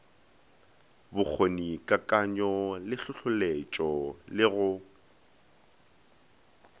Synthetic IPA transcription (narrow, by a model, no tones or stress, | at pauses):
bʊk͡xʰonikʼakʼaɲɔlɪɬʊɬʊlet͡ʃʼɔlɪɣʊ